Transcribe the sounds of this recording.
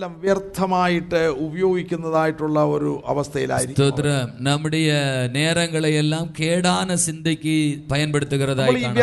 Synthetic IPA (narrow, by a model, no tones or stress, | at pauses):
ɐʋjɐrt̪ʰːɐmaːjiʈːɨubɐjo̞ːɡikʲːunːɐðaːjiʈːuɭːɐoɾuʔɐ̰ʋɐst̪ʰɐjila̰ːjiɾikʲːt̪oːt̪ːɾɐnɐmːuɽejɐne̞ːrɐŋɡɐɭejelːaːmkeːɽaːnɐsind̪ʱɐkʲːɨpɐjɐnpeɽut̪ːuɣɐrɐðaːjiaːɳ